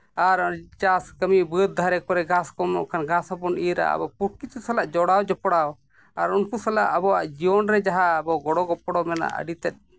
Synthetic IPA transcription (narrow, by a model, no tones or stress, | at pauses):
aɾt͡ʃaskəmibut̪̚d̪ʱaɾɛkɔɾɛɡaskɔmɔ̰ʔkʰanɡasɔpɔniɾa̰a̰bɔpuʈ̚kit͡ʃusalaʔd͡ʒɔɽawd͡ʒɔpɔɽaw | aɾunkusɛlaʔəbɔwaʔd͡ʒiɔnɾɛd͡ʒaɦaːbɔɡɔɽɔɡɔpɔɽɔmɛna̰ʔə̰ɖit̪ɛt̪̚